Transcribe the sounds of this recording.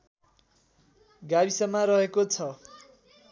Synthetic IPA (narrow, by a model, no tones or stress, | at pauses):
ɡabisʌmaɾʌɦekot͡sʰʌ